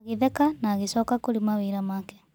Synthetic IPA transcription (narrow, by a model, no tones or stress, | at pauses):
ɣeðɛkanaːɣesɔːkakoɾimaweːɾamaːkɛ̥